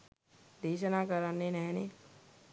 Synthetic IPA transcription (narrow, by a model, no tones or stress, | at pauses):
d̪eːʃ̬ənakəɾaːnenɛɦne